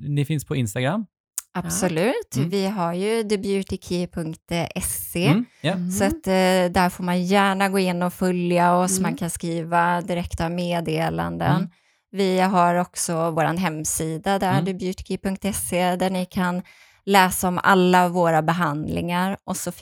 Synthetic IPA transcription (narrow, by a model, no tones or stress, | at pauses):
nɪfɪnspʰɔɪnst̪aɡɾamː | ab̥ssɔlʉ̟ːt̪vɪɦaɾjɵd̪ɪbjʉt̪ɪkʰipʰɵŋkt̪ɛseːsɔat̪d̪æɾfoːɾmanjæːɳaɡoːɪnːɔfœljaɔsmankʰanskɾiːvad̪ɪɾɛkt̪avmeːd̪eːla̰nd̪ə̰n | vɪɦaɾɔksɔvoːɾa̰nɦɛmːsiːd̪ad̪æɖ̪ɪbjʉt̪ɪ̥kʰipɵŋk̚t̪ɛsed̪æɳɪkʰan | lɛːsaɔma̰lːavoːɾabɛɦand̪lɪ̰ŋaɾʔɔsɔ